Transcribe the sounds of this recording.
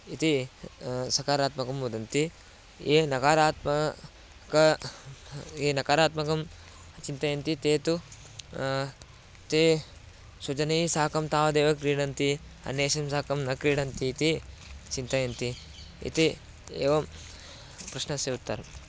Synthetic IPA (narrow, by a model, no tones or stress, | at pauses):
it̪i | sɐkaːɾaːt̪mɐkɐmʋud̪ɐnt̪i | eːnɐkaːɾaːt̪mɐ | kɐ | eːnɐkaːɾaːt̪mɐkɐm | t͡ʃint̪ɐjɐnt̪it̪eːt̪u | t̪eː | sud͡ʒɐnɐsaːɐkɐmt̪aːʋɐd̪eːʋɐkɾiːɽɐnt̪iɐ̰nːeːʃɐmsaːkɐmnɐkɾiːɽɐnt̪iːt̪it͡ʃint̪ɐjɐnt̪i | ḭt̪i | ḛːʋɐm | pɾɐʃnɐseʋut̪ːɐ̰ɾɐm